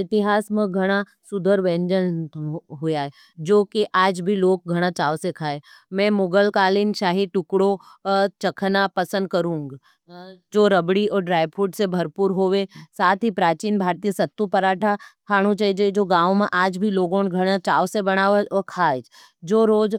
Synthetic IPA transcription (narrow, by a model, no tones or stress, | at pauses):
ɪt̪ɪɦaːsmẽɡʱɐɽ̃a | sʊd̪ʱəɾʋẽːɲd͡ʒənɦʊjaɛ | d͡ʒoːkiʔaːd͡ʒbʱiloːk̚ɡʱɐɽ̃at͡ʃaːʋsekʰaːe | mɛ̃ːmʊɡəlkaːlɪnʃaːɦiʈʊkɽot͡ʃɐkʰnapɐsə̃nd̪̚kɐɾũːŋɡ | d͡ʒoːɾəbɽiɔːɾɖɾaːɪʋfʰuːʈsebʱɐɾpuɾɦoːʋesaːt̪ʰɦipɾaːt͡ʃiːnbʱaːɾt̪ijəsɐt̪ːupɐɾaːʈʰakʰaːɽ̃ũt͡ʃaːid͡ʒaid͡ʒoːɡãːwmẽʔaːd͡ʒbʱiloːɡõːnɡʱɐɽ̃at͡ʃaːʋsebɐɽ̃aːʋeɔɾkʰaːd͡ʒ | d͡ʒoːɾoːd͡ʒ